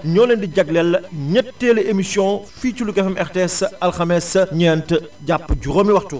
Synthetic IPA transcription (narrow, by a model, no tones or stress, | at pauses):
ɲɔːlendiɟɐɡlɛlːɐɲətːeːlɐʔemisjɔ̃fit͡ʃulukɛfɐmʔɛɾteɛsɐlxɐmɛsɲɛːntəɟapːɟuɾomiwɐxtu